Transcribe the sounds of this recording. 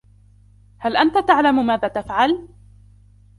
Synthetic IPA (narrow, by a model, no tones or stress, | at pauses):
halʔant̪at̪aʕlammaːðaːt̪afʕal